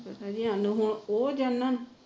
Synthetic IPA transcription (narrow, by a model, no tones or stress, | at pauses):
pət̪ad͡ʒiãnũɦʊoːd͡ʒanːãːn